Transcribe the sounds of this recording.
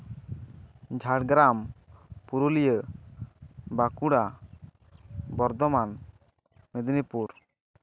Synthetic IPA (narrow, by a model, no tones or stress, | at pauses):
d͡ʒʱaɽɡɾampuɾulijə | bakuɽa | bɔɾd̪ɔman | med̪nipuɾ